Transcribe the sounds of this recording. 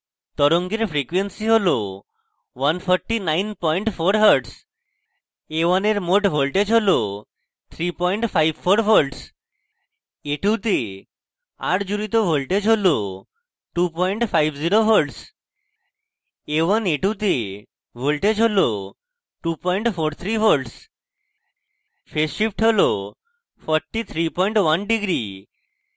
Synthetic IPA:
t̪ɔɾoŋɡeɾfɾikwensiɦolo | ʋɐnfʰɔɾʈinajnpɔjɳʈfʰoɾɦəɾɖs | ewaneɾmoʈbolʈed͡ʑɦolo | t̪ʰɾipɔjɳʈfʰajbfʰoɾfoɾɖs | eʈut̪e | a̰ɾd͡ʑuɾit̪̬obolʈed͡ʑɦolo | ʈupɔjɳʈfajbziɾofolʈs | eʋəneʈut̪̬e | bʱolʈed͡ʑʱɦolo | ʈupɔjɳʈfʰoɾt̪ʰɾibʰolʈs | fʰeʃipʈɦolo | fʰɔɾʈːit̪ʰɾipɔjɳʈʋanɖiɡɾi

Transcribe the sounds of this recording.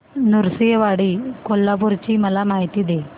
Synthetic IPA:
nuɾsijʋaɽiːkolːap̬uɾt͡ɕiːməlamaɦit̪iːd̪e

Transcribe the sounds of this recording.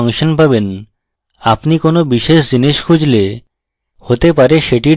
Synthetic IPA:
ŋʃonpaben | apnikonobiʃeʃd͡ʑiniʃkʰud͡ʑle | hot̪epaɾeʃeʈi

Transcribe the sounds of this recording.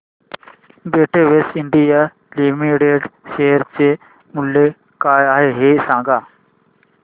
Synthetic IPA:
beːʈʰeːʋeːsɪɳɖijaː | liːmiːɽeːɖʃeːɦəɾt͡ʃe | mʊlːe | kaːaːɦeːɦeːsãːŋɡaː

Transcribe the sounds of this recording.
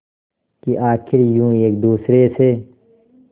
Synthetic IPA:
kiʔaːkʰɪɾjũːeːk̚d̪uːsɾeːseː

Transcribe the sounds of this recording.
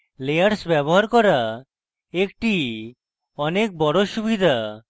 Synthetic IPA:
lejaɾsbɛboɦaɾkɔɾa | ek̚ʈi | ɔnek̚bɔɽoʃubid̪ʱa

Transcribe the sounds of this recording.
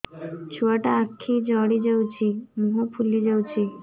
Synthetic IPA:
t͡ʃʰuaʈaakʰːid͡ʒɔɽid͡ʒəwt͡ʃʰimuɦopʰulid͡ʒəwt͡ʃʰi

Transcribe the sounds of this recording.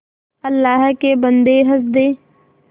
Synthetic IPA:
əlːaːɦkebənd̪eɦəs̬d̪eː

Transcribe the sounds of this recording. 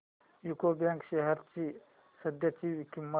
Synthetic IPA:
jukobãŋkʃeɦɐɾt͡ʃi | sɐd̪jɐt͡ʃiʋikimːə

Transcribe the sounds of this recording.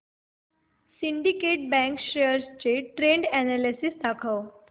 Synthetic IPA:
siɳɖikeʈ̚bɛ̃ŋkɕejəɾst͡ɕeʈɾeɳɖɛnalesisd̪akʰəw

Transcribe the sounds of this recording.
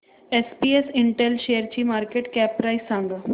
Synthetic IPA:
espiesiɳʈelɕejəɾt͡ɕiːmaɾkeʈkæpːɾaisːãŋɡə

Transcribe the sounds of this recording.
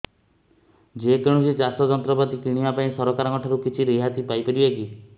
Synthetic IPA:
d͡ʒekeɽ̃usit͡ʃasɔd͡ʒɔnt̪ɾɔpat̪ikiɽ̃iapaĩsɔɾɔkaɾɔŋɔʈʰɔɾukit͡ʃʰiɾeɦat̪ipajpeɽibeki

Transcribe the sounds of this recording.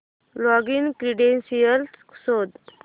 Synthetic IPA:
lɔɡinkɾiɖensijəlsksod̪

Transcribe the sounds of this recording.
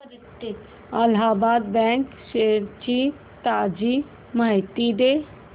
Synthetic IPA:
t̪ːe | ɐlɦaːbaːd̪bɛ̃ːŋk | seɾt͡ʃi | t̪aːd͡ʒi | majt̪id̪e

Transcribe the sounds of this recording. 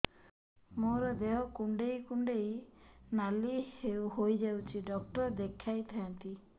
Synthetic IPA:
moɾɔd̪eɦɔkuɳɖejkuɳɖejnalihewɦojd͡ʒawt͡ʃʰiɖɔk̚ʈɔɾd̪ekʰːajt̪ʰajant̪i

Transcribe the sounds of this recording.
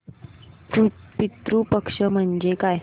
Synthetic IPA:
upit̪ɾupəkʂəm̤əɳd͡ʑekaj

